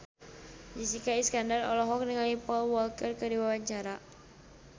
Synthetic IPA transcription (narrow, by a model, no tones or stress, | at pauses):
d͡ʒisikaiskandarɔ̰lɔɦɔk̚nəŋalipɔlwɔlkərkərdiwawaɲt͡ʃaɾa